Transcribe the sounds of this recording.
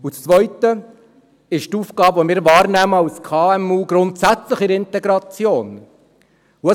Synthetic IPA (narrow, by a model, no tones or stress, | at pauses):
ut͡st͡svʋœʏtə | ɪʃtuːfɡ̥ɑːbəvɔmɪːɾvɑːɾnæːməɑlskʰɑːɛmuːɡɾʊntsæt͡sləχɪɾɪntɛɡɾɑt͡sjoːn | uə